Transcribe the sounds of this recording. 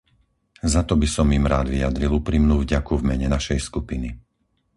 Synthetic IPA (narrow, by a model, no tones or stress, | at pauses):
zat̪ɔbisɔmiːmɾaːd̪ʋijad̪ɾilupɾiːmnuːvɟakuvmɛɲɛnaʃɛjskupini